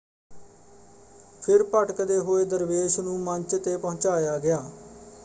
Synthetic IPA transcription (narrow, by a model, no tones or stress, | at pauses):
pʰɪɾpəʈəkd̪eːɦoːeːd̪əɾʋeːʃnũːməɲt͡ʃt̪eːpəɦʊ̃t͡ʃaːjaːɡɪaː